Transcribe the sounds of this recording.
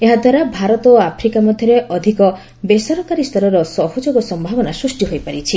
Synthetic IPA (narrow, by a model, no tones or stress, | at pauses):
eɦad̪ʱwaɾabʱaɾɔt̪ɔapʰɾikamɔd̪ʱjɔɾeʔɔd̪ʱikɔ | besɔɾɔkaɾist̪ʰɔɾɔɾɔsɔɦod͡ʒoɡɔsɔmbʱabɔnasɾusʈiɦojpaɾit͡ʃʰi